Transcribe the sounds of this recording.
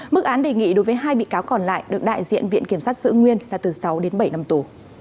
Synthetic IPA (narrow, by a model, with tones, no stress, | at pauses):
mɨ˦˥k̚ʔaː˨˦nɗe˨˩ŋḭ˧˨ɗo˨˦jvəː˨˦jɦaː˧jɓḭ˧˨kaː˨˦wkɔ˨˩nla̰ː˧˨jɗɨ˨˩ək̚ɗa̰ː˧˨jzḭ˧˨ənvḭ˧˨ənki˧˩əmsaː˦˥t̚sɨ̰˧˨ŋwi˧ənlaː˨˩t̪ɨ˨˩sa˨˦wɗe˨˦nɓə˧˩jna˧mt̪u˨˩